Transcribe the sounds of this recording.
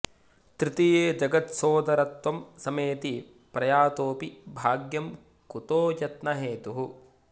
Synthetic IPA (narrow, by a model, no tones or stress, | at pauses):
t̪ɾit̪ijeːd͡ʒɐɡɐt̪soːd̪ɐɾɐt̪ʋɐmsɐmeːt̪i | pɾɐjaːt̪oːpibʱaːɡjɐm | kut̪oːjɐt̪nɐɦeːt̪uɦu